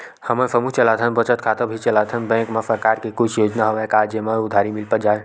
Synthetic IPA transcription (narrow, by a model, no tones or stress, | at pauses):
həmənsʰəmuɦt͡ʃəlad̪ʱənbət͡ʃət̪̚kʰat̪əbʱit͡ʃəlad̪ʰʱənbɛ̃ŋkmesəɾkaɾkekut͡ʃʰjod͡ʒnaɦoʋakad͡ʒjəməud̪ʱaɾimilpəd͡ʒae